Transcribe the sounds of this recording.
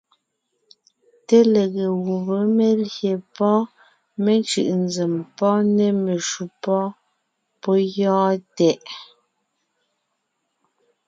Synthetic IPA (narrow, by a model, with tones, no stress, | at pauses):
te˦le˨ɣe˨ɣu˨βə˨˦me˨lje˨pɔ˦ | me˨nt͡ʃɯ̰˨ʔnd͡ze˨mpɔ˦ne˦me˨ʃu˨pɔ˦ | po˦jɔː˦tɛ˦ʔ